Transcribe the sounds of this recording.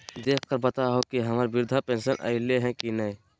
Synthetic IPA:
d̪eːkʰkəɾbət̪aɦokiɦəmaːɾbɪɾd̪ʱapẽːnsənʔə̰ɪleɦɛ̃kinəĩ

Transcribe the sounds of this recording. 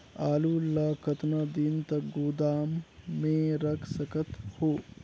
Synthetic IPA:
aːluːlɐkɐt̪nɐd̪iːnt̪ɐkɡuːd̪aːmːẽɾɐkʰsɐkɐt̪hoː

